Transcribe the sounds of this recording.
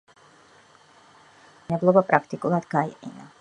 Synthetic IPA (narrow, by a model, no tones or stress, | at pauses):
nɛblˠɔɡɔpɾʔakt̪ikulˠat̪ɡajḭna